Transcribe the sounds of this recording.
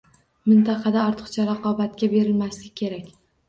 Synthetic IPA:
mɪnt̪ʰɑqʰɑd̪aɒɾt̪ʰɨ̥χt͡ʃʰaɾɑqʰɒbat̪̚kʲabe̞ɾɪlmaslɪkʲkʲʰːe̞ɾakʲ

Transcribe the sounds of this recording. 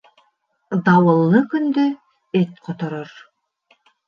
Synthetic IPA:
d̪ɑwɤ̆lˠːɤkɵnd̪ø | et̪̚qʰŏt̪ŏɾoɾ

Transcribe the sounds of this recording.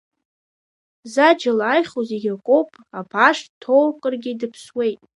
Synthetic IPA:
zad͡ʒalaːjχʲozeɡʲakʷʼowpʼapʰaʂtʰo̞wkʼərɡʲɪdɨpʰswe̞jtʼ

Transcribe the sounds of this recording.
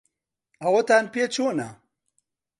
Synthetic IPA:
awot̪anpet͡ɕʰuna

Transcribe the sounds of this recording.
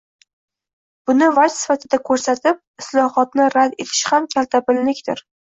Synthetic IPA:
b̥ʊnɪvasɪ̥fat̪ʰɪd̪akʰɵɾsat̪ɪp̚ɪslˠɒhɒt̪̚nɪɾad̪e̞t̪ʰɪ̥ʃhamkʲʰalt̪ʰabɪllɪkʲt̪ɪɾ

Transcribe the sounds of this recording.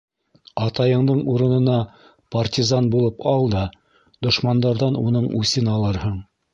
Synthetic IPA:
ɑt̪ɑjɤ̆ɴd̪ɤɴuɾɤ̆nɤ̆nɑ | pɐrtʲizɑnbulˠɤpɑlˠd̪ɑ | d̪ŏʃmɑnd̪ɑɾðɑnunɤɴʉsɘnɑlˠɤɾhɤɴ

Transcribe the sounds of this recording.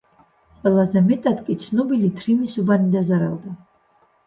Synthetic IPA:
qʼwɛlˠazɛmɛt̪ʼad̪kʼisʰnɔbilit̪ʰrimisubanid̪azaɾa̰lˠd̪a

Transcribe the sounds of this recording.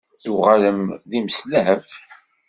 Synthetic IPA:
θuʁaləmðiməsləɦəf

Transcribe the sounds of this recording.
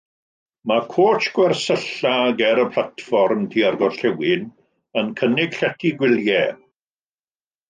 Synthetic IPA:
makʰoːt͡ʃɡ̥wɛrsəɬaɡɛɾəpʰl̥ˠatfɔrmtʰiarɡɔɬɛwɪn | ənkʰənɪɡ̥ɬɛtʰiɡwɪlˠjɛr

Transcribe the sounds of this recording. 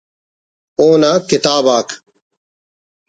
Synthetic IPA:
õːnaːkɪt̪aːbaːkʰ

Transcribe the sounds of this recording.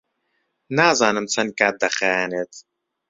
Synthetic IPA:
naːzaːnɨmt͡sʰɐnkad̪ɐχænet̪

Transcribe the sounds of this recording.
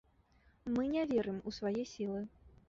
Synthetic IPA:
mɨnʲɛvʲɛɾɨmusvajɛsʲilˠɨ

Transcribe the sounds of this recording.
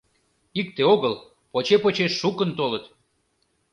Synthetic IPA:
ik̚t̪eoɣəl | pot͡ɕepot͡ɕeʃːukənt̪olət̪

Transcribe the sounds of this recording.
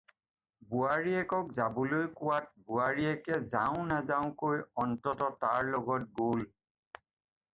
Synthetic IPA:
buaɹiɛkɔk̚zabulojkʊwat̚buaɹiɛkɛzaʊ̃nazaʊ̃kojɔntɔtɔtaɹlɔɡɔt̚ɡol

